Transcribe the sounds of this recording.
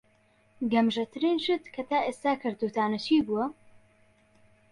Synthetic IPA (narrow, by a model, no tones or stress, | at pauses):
ɡɐmʒɐt̪ʰɨɾiːnʃɨt̪kʰɐt̪aːʔeːst̪aːkʰɨɾt̪uːt̪aːnɐt͡ʃʰiːbuwɐ